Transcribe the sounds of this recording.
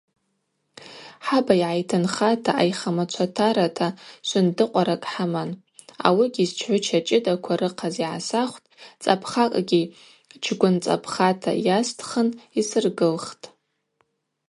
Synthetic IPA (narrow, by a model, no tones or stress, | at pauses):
ħabaiʕajtʰɨnχatʰaʔajχamat͡ʃʷʰatʰaɾatʰaʃʷʊndɨqʷʼaɾakʼħaman | a̰wiɡʲizt͡ʃʰħʷʊt͡ʃʰat͡ʃʼɪdakʷʰaɾɨqʰaziʕa̰saχʷtʼt͡sʼapʰχakʼɡʲi | t͡ʃʰɡʷʊnt͡sʼa̰pʰχatʰa̰jastʰχənisɨrɡɨlχtʼ